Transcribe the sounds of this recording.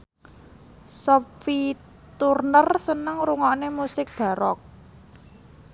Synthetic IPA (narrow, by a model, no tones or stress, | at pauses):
sɔpfi | t̪urnərsənəŋɾuŋɔnemusɪk̚d̪̥ä̤ɾɔk̚